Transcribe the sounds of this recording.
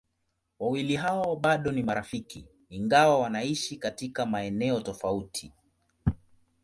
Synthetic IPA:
wawiliɦawɔɓaɗɔnimaɾafikiː | ŋɡawawanaiʃikatikamaɛnɛɔtɔfautʰi

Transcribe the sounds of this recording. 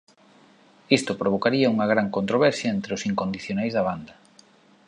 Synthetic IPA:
ist̪opɾoβ̞okaɾiɐuŋɐɣ̞ɾaŋkont̪ɾoβɛɾsjɐent̪ɾeʊsiŋkond̪iθjonajzðɐβ̞and̪ɐ

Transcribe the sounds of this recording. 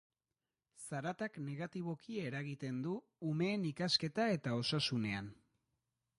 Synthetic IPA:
saɾat̪akne̞ɣ̞at̪iβ̞o̞kie̞ɾaɣ̞it̪e̞nd̪uː | me̞ːnikaske̞t̪ae̞t̪ao̞sasune̞an

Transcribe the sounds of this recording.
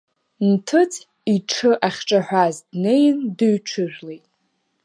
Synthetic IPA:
ntʰɨt͡sʰʼ | iʈ͡ʂʰɨʔaχʲʈ͡ʂʼaħʷᶣazdne̞jndɨɥʈ͡ʂʰɨʒᶣlejtʼ

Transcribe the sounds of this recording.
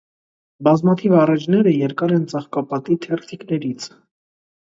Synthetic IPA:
bɑzmɑt̪ʰivɑrɑt͡ʃʰnɛɾəjɛɾkɑɾɛnt͡sɑχkɑpɑt̪it̪ʰɛrt̪ʰiknɛɾit͡sʰ

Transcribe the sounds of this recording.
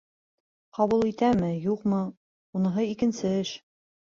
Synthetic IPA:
qɑβulˠit̪æmɘjuqmɤ | unɤ̆ɦɤikɘ̆nsɘɘʃ

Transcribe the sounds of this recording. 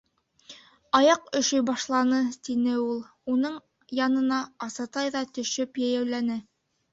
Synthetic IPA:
ɑjɑqɵ̆ʃɵjbɑʃlˠɑnɤt̪inɘulˠ | unɤɴ | jɑnɤ̆nɑːsɑt̪ɑjðɑt̪ɵ̆ʃɵpjæjæwlænɘ

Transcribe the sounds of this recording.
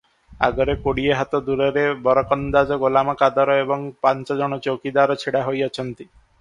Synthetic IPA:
a̰ɡɔɾekoɽieɦat̪ɔd̪uɾɔɾebɔɾɔkɔnd̪ad͡ʒɔɡolamɔkad̪ɔɾɔebɔŋpant͡ʃɔd͡ʒɔɽ̃ɔt͡ʃokid̪aɾɔt͡ʃʰiɽaɦojɔt͡ʃʰɔnt̪i

